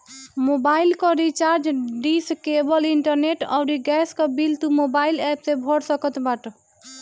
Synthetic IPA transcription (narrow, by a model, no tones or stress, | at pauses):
mobailkɔɾit͡ʃaɾd͡ʒɖiskebəliɳʈəɾneʈɔ̰ʊɾiɡɛskɔbilt̪umobailɛpsebʱɔɽsəkət̪baʈ